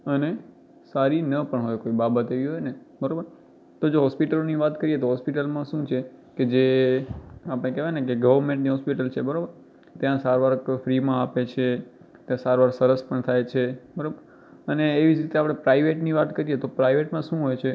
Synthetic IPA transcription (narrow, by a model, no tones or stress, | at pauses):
əne | saɾinəpəɳɦojkoibabət̪eʋiɦojnebəɾobəɾ | t̪od͡ʒoɦɔspiʈəloniʋat̪kəɾiet̪oɦɔspiʈəlmãʃũt͡ʃʰeked͡ʒe | apɳ̃ekɛʋãnekeɡəʋəɾmẽɳʈniɦɔspiʈəlt͡ʃʰebəɾobəɾ | t̪jãsaɾʋaɾkfɾimãapet͡ʃʰe | t̪jãsaɾʋaɾsəɾəspəɳt̪ʰajt͡ʃʰebəɾobəɾ | əneːʋid͡ʒɾit̪eapɽ̃epɾaiʋeʈniʋat̪kəɾiet̪opɾaiʋeʈmãʃũɦojt͡ʃʰe